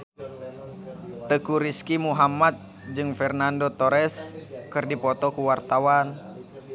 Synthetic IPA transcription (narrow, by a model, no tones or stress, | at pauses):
t̪əkuɾiskimuɦamat̪̚ | d͡ʒɨŋfɛrnandot̪oɾɛskɨrdipɔt̪ɔkuwart̪awan